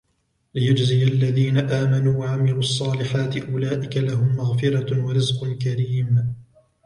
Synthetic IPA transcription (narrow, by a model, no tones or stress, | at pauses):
lɪjʊd͡ʒzɪjalːaðiːnaʔaːmanuːwaʕamɪluːʔɑsˤːɑːlɪħaːt̪ɪʔʊlaːʔɪkalaɦʊmːaɣfɪɾɑwaɾɪzqʊnkaɾiːm